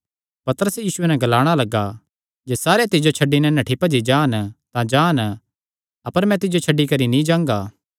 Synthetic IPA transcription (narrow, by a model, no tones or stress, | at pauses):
pɐt̪əɾəsjiːsʊenɛɡɐlaːɽ̃alɐɡa | d͡ʒeːsaːɾet̪ɪd͡ʒot͡ʃʰɐɖːinɛnɐʈʰipɐd͡ʒid͡ʒãːnt̪ãd͡ʒaːn | ɐpəɾmɛ̃t̪ɪd͡ʒot͡ʃʰɐɖːikɐɾinĩd͡ʒãːŋɡaː